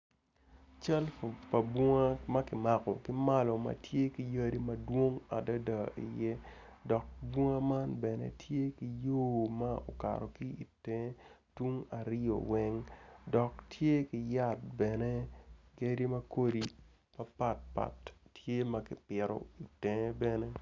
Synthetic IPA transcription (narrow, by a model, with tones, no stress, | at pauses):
t͡ʃa˦lfo˨pɐ˨bwɔ˦ŋa˦mɐ˦kɪ˨ma˨kɔ̰˨kɪ˦ma˦lɔ˨mɐ̰˨tje˦ki˨jɐ˦ɾi˦mɐ˦dwo˦ŋa˨da˦da˨ʔḭ˨je˦ | dɔ˨k̚bwɔ˦ŋa˦ma˦nbɛ˨nɛ̰˦tje˦ki˨joː˦ma˦o̰˨ka̰˨ɾɔ˨ki˦i˨tɛ̃˨˦twu˦ŋa˨ɾo̰˨wɛ˦ŋdɔ˨k̚tʰje˦kɪ˨ja˦˨t̚bɛ˨ne˦ɡe˦ɾi˦mɐ˦ko˦di˨ | pɐ˨pa˦t̚pa̰˨tːje˦mɐ˦kɪ˨pɪ˨ɾoɔ̰˦i˨tɛ˨˦bɛ˦ne˦